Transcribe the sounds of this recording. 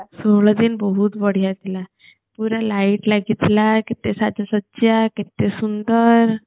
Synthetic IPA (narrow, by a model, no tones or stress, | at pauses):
soɭəd̪iːnbəɦut̪bəɽ̤ijat̪ila | puɾalaiʈlaɡit̪lakit̪esad͡ʑasət̪ːɕjakit̪esund̪əɾ